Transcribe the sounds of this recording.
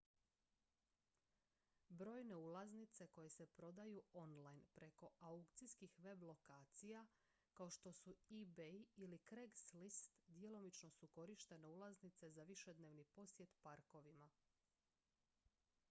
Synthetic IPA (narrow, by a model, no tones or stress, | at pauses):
bɾo̞ːjne̞ulˠaznit̪se̞ko̞je̞se̞pɾo̞d̪ajuo̞nlˠajnpɾe̞ko̞aukt̪siskixʋe̞blˠo̞kaːt̪sija | kao̞ʃt̪o̞suibeilikɾeɡslist̪d̪je̞lo̞mit͡ʃno̞suko̞ɾiʃt̪e̞ne̞ulˠaznit̪se̞zaʋiʃe̞d̪neʋnipo̞sje̞t̪paɾko̞ʋima